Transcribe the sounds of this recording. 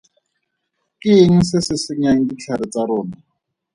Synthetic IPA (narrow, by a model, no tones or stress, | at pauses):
kɪŋ̩sɪsɪsɪɲaŋ̩dit͡ɬʰaɾɪt͡saɾʊːna